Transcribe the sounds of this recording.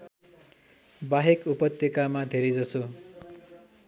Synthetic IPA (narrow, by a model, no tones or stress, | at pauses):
baɦekupʌt̪jʌkamad̪ʱeɾed͡zʌso